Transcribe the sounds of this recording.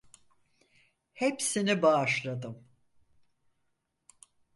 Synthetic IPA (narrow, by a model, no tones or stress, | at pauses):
hepsinibaːʃlˠad̪ɯm